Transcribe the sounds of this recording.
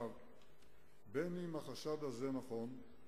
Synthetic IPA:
v | beniimhaχaʃad̪hazenaχo̞n

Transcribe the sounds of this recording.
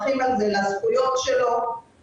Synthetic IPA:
χimalzelasχujo̞t̪ʃelo̞

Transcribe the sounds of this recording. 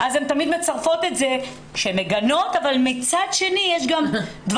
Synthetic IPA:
ʔazemt̪amid̪me̞t͡saʁfo̞t̪e̞tze̞ | ʃeemeɡano̞t̪avalmit͡sad̪ʃe̞nijeʃɡamd̪v

